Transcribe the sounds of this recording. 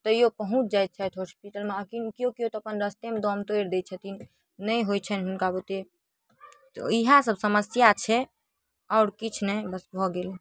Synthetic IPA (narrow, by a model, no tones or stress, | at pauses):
t̪əjopəɦũt͡ʃʰd͡ʒajt̪̚t͡ʃʰajt̪ɦospiʈəlmeəkinkijokiot̪ɔəpənɾəst̪emed̪ɔmt̪ojɾd̪ɛt͡ʃʰɛt̪in | nəjɦojt͡ʃʰənɦunkabut̪e | t̪ɔ̰iɦasəbsəməsjat͡ʃʰɛ | aʊɾkit͡ʃʰnɛbəsbʱɔɡele